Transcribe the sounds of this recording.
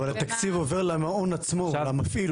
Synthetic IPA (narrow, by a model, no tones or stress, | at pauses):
valat̪akt͡sivove̞ʁlamaonat͡smoamafil